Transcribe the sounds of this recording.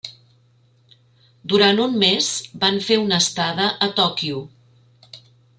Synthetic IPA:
d̪uɾant̪umːezbaɱfeunəst̪aðəʔət̪ɔkiu

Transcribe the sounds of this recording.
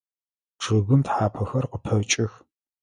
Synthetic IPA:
ʂɨɣɨmtħaːpʰɐxɐrqəpʰɐt͡ʃʼɪx

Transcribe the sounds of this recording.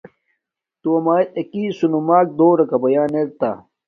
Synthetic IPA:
t̪uɐmaːt̪ɐkiːsunumaːk̚d̪oːɾɐkɐbɐjaːneɾt̪a̰

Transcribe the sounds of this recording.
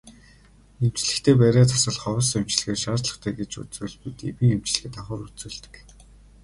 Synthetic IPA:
em̥t͡ɕɮɘ̆kt̪ʰeːp̬æːɾʲeːt̪ʰḁsə̆ɮχɔwɞ̆sem̥t͡ɕɮ̆xeːrʃaːt͡ɕɮə̆χt̪ʰæːɡet͡ɕṵt͡suːɮpit̪ḛwĭŋem̥t͡ɕɮɘ̆xɘ̆t̪aχʊːɾut͡suːɮt̪ɘ̥̆k

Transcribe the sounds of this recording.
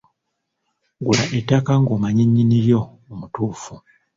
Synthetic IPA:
ɡulaʔetːakaŋɡomaɲiɲːiniɾjo̞ː | mutuːfu

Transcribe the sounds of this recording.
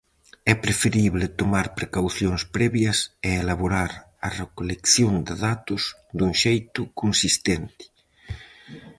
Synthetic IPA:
ɛpɾefeɾiβlɪt̪omaɾpɾekawθjoŋspɾɛβjɐseːlaβoɾaɾ | ɐrekolekθjoŋd̪ɪðat̪ʊz | d̪uŋʃejt̪ʊkonsist̪ɛnt̪ɪ̥

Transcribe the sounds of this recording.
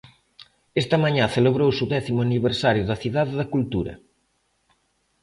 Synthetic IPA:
est̪ɐmaɲaθeleβ̞ɾowsuðɛθimʊaniβeɾsaɾjʊðɐθiðaðeðɐkult̪uɾɐ̰

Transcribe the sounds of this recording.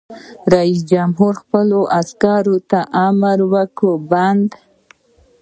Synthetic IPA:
ɾais̬d͡ʒamɦuɾxpəloʔaskɑɾot̪aʔaməɾwəkoband̪

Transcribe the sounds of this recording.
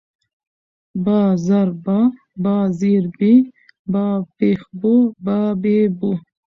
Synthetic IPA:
baːzaɾba | baːziɾbi | bapexbubabebu

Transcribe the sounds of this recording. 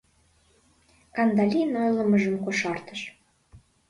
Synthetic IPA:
kɑnd̪ɑlʲinojləməʒəmkoʃɑrt̪əʃ

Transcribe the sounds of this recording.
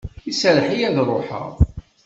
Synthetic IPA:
isælħijæðrˤoħə̰ʁˤ

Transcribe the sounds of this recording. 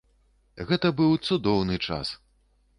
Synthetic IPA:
ɣɛt̪ɐbɨwt̪sud̪ɔwnɨt͡ʂa̰s

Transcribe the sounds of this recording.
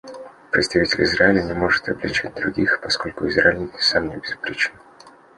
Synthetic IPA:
pɾʲɪt̪st̪ɐvʲitʲɪlʲɪzɾaɪlʲənʲɪmo̞ʐɨt̪ɐblʲɪ̰t͡ɕɛt̚ʲd̪ɾʊɡʲixpɐsko̞lʲkʊɪzɾaɪlʲsamnʲɪbʲɪzʊpɾʲet͡ɕɪn

